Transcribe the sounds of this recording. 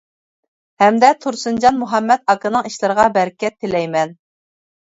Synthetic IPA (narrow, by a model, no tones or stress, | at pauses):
hɛmd̪ɛt̪ʰuɾsɨnd͡ʒɑnmuɦɑmːɛt̪̚ɑkɨnɨŋiʃlˠɨɾəʁɑbɛɾkʲɛt̪̚ʰːɪlɛjmɛn